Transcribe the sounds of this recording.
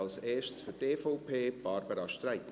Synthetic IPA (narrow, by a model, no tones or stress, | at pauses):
ɑlseːʃtsfʏteːfɔʊpʰeːb̥ɑːɾbəɾɑʃtɾæɪt